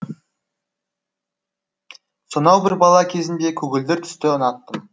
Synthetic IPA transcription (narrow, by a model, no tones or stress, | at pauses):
sonɑwbɪɾbɑlˠɑkʲʰe̞zɪnd̪e̞kʲʰɵɡʲɪld̪ɪɾt̪ʰʏ̥st̪ɪənɑt̪ːəm